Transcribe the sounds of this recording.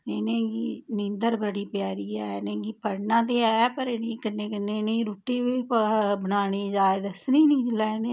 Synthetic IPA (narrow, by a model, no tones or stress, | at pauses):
eːnẽːɡiːnɪ̃nd̪əɾbəɽiːpjaːɾiːɛːnẽːɡiːpəɽnãːt̪̬eːɛːpəɾeneːkɪnːẽːkɪnːẽːneĩɾuːʈːiːʋibənaːniːd͡ʒaːed̪əsnĩːnĩːlɛːne